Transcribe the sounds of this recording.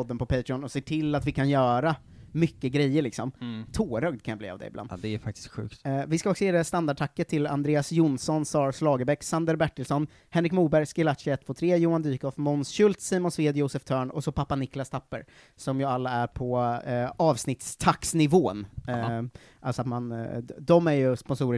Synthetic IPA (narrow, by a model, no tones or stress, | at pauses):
ɔd̪ːənpɔpʰɛjt̪ɾɪɔnɔseːʈʰɪlːat̪vɪkʰanjœːɾa | mʏkːəɡɾɛjːəɾɭɪksɔmt̪ʰoːɾœːɡ̚d̪̚kʰanjablḭːa̰vd̪ɛ̰ɪbl̰d̪d̪ɛæɾfak̚t̪ɪ̥skɧʉ̰ːkt̪vɪskaɔksɔjeːd̪ɛst̪and̪aɖ̚ʈʰakːət̪ʰːɪla̰nd̪ɾeːasjʊnsɔnsɑːɾslɑːɡəɾbɛkːsand̪əɾbæʈːəlsɔn | hɛnɾɪkmuːbæɾjskalaʂɛɛt̪ʰːvoːt̪ʰɾeːjuːand̪yːkɔfmɔnsɕɵlt̪siːmɔnsveːd̪jʊːsəft̪ʰœːɳɔsɔpʰapːanɪklast̪ʰapːə̰ɾ | sɔmjəalːaæɾpʰɔ | ɑːvsnɪt̪st̪ʰaksnɪvoːn | ʔalsɔat̪mand̪ɔmæɾjɵspɔnsuːɾə